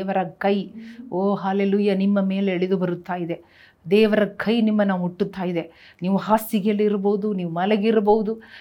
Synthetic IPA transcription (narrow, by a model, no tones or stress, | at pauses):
ʋɐɾɐkɐjoːɦaːleːluːjanimːɐme̞ːleːɭid̪ubɐɾut̪ːaːjid̪e̞ | d̪ɛːʋɐɾɐkʰɐjnimːɐnaːʋuuʈːut̪ːaːjid̪e̞ | niːʋuɦaːsːiɡeɐlːiɾɐboːud̪uniːʋumɐlɛɡiɾɐboːud̪u